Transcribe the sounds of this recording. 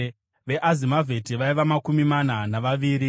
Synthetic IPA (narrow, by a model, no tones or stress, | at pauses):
ʋe̞ʔazimavʱe̞tiʋaiʋamakumimananaʋaʋiːɾi